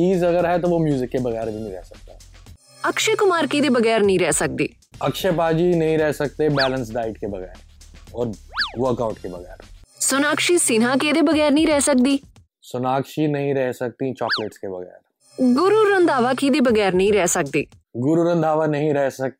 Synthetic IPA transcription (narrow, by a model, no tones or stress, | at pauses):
t͡ʃiːzɐɡəɾɦɛt̪oʋomjuːzɪkːebɐɣɛːɾbʱiːnĩːɾɛɦsək̚t̪aɦɛ | əkʃekʊmaːɾkiːd̪eːbəɡɛːɾnəɦĩːɾɛɦsək̚d̪ḛː | əkʃəpaːd͡ʒiːnɐɦĩɾɛɦsək̚t̪ebɛːlə̃nsɖaːɪʈkebɐɣɛ̰ːɾɔːɾʋəɾkaːʊʈkebɐɣɛːɾsʊnaːkʃiːsinãːked̪eːbəɣɛːɾnəĩːɾɛɦsək̚d̪iː | sʊnaːkʃiːnɐɦĩɾɛɦsək̚t̪it͡ʃɔːkleʈskebɐɣɛ̰ːɾ | ɡʊɾuːɾə̃nd̪ʱaːʋaːkiːd̪eːbəɡɛːɾnəɦĩɾɛɦsək̚d̪ḛː | ɡʊɾuɾə̃nd̪ʱaːʋanɐɦĩːɾɛɦsək̚t̪